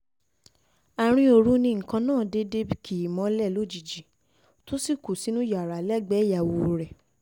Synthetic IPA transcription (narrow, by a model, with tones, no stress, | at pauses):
a˨ɾ̃ĩ˧o˧˨ɾu˦nĩ˧ŋ̩˨kã˧nãː˦˨de˧de˧bi˧kʰi˨mɔ̃˨˦lɛ˦˨lo˦˨d͡ʒi˨d͡ʒi˨ | to˦si˦˨ku˨si˨˦nũ˦ja˨ɾa˨lɛ˦˨ɡ͡bɛ˨˦ja˨wo˧˨ɾɛ˨